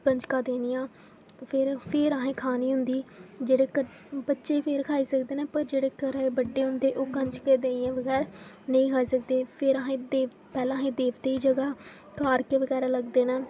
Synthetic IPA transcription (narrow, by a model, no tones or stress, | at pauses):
kə̃ɲt͡ʃkaːd̪eːniːãː | pʰɪɾpʰɪɾaːɦẽːkʰaːniːɦʊnd̪iːd͡ʒeːɽeːkə | bətːʃeːpʰeɾkʰaːiːsəkd̪eːneːpəɾd͡ʒeːɽeːkəɾaeːbəɖːeːɦʊ̃nd̪eːʔoːkəɲt͡ʃkeːd̪eːãːʋəɡɛːɾ | nəĩːkʰaːiːsək̚d̪eːpʰɪɾəɦẽːd̪eː | pɛːlãːɦẽːd̪eːʋd̪eːiːd͡ʒəɡaː | kaːɾkeːʋəɡɛːɾaːləɡd̪eːnɛː